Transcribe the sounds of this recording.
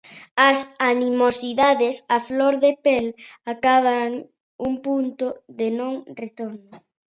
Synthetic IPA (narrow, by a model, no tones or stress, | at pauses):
ɐsanimosiðaðesafloɾðepelakaβ̞aŋ | uŋpunt̪ʊðenõŋret̪oɾno